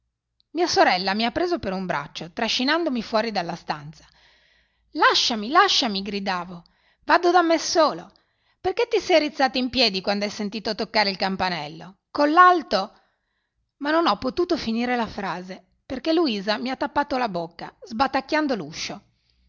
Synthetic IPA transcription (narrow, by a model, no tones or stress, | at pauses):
miːasoɾɛlːamiapːɾeːzopeɾumbɾa̰t͡ʃːot̪ɾaʃːinand̪omifwɔːɾid̪alːast̪ant̪sḁ | laʃːamilaʃːamiɡɾid̪aːvo | vad̪od̪amːesoːlo | perket̪ːisɛjɾit̪sːaːt̪oimpjɛːd̪ikwand̪oɛjsent̪iːt̪ot̪okːaːɾeilkampanɛlːokolːalt̪o | manːonɔpːot̪uːt̪ofiniːɾelafɾaːze | perkeluiːzamiat̪ːapːaːt̪olabokːa̰zbat̪ːakːjand̪oluʃːo